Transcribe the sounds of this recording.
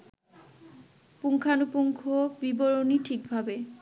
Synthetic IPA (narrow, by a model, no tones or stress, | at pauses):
puŋkʰanupuŋkʰobiboɹonitʰikbʱabe